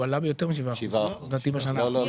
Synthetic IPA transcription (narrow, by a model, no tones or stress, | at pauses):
alabejot̪emiʃ̬ivaʃivad̪at̪ivaʃan